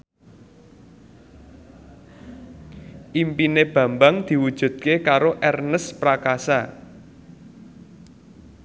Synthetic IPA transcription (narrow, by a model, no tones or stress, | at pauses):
ʔimpineb̥ä̤mbaŋd̪̥i̤wud̥ʒ̥ṳd̪̚kekaɾoʔɛrnəspɾakasa